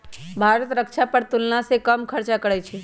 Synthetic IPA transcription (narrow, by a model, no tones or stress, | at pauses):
bʱaːɾət̪ɾəkʃapəɾt̪ʊlnãsekəmkʰəɾt͡ʃakəɽɛt͡ʃʰɛ